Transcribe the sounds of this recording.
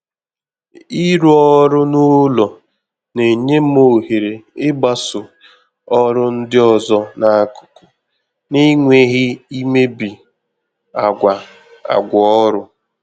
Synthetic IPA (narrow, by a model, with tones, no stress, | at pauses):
i˦ɾu˦ɔ˦ɾʊ˦nʊ˦lɔ˨ | ne˨ɲe˦m˦o˨ɦe˨ɾe˨ɪ˦ba˦sʊ˨ | ɔ˦ɾʊ˦n̩˦dɪ˦ɔ˨zɔ˦na˨a˦kʊ̥˨kʊ˨ | ni˦ŋʷe˦ɣɪ˦i˦me˦bi˨ | a˨ɡʷa˨ | a̰˨ɡʷɔ˨ɔ˦ɾʊ˦